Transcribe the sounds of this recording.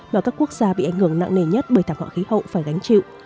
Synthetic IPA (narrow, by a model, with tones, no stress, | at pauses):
maː˨˩kaː˦˥kːu˦˥ək̚z̥aː˧ɓḭ˧ʔa˧˩jŋhɨ˧˩əŋna̰˧˨ŋne˧˩ɲə˦˥t̚ɓəː˧˩jt̪aː˧˩hwa̰ː˧˨˩xi˨˦hə̰˧˨wfaː˧˩jɣa˨˦jŋ̟t͡ɕḭ˧˨w